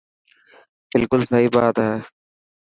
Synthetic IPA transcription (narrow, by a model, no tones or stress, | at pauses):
b̥ɪlkʊlsɐibaːd̪ɦɛ